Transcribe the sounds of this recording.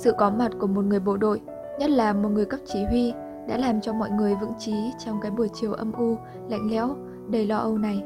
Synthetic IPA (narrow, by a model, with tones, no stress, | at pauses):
sɨ̰˧˨kɔ˨˦ma˨˩t̚ku˧˩əmo˨˩t̚ŋɨ˨˩əjɓo̰˧˨ɗo̰˧˨j | ɲə˦˥t̚laː˨˩mo˨˩t̚ŋɨ˨˩əjkə˦˥p̚t͡ɕi˨˦ɦwi˧ | ɗa̰ː˧˥laː˨˩mt͡ɕɔ˧mɔ̰˧˨jŋɨ˨˩əjvɨ̰˧˥ŋt͡ɕi˨˦t͡ɕɔ˧wŋ͡mkaː˨˦jɓu˧˩ət͡ɕi˨˩əwʔə˧mʔu˧ | la̰˧˨jŋ̟lɛ̰˧˥w | ɗə˧˩jlɔ˧ʔə˧wna˨˩j